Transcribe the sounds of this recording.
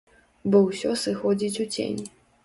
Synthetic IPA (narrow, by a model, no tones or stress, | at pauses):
bɔwsʲɔsɨxɔd͡zʲit͡sʲut͡sʲḛnʲ